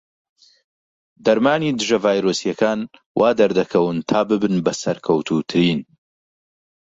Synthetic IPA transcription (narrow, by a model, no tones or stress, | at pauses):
d̪ɐɾmaːniːd̪ɨʒɐvaːjɾoːsijɐkaːn | wʔaːd̪ɐɾd̪ɐkʰɐwɨnt̪ʰaːbɨbɨnbɐsɐɾkʰɐwt̪ʰut̪ʰɨɾiːn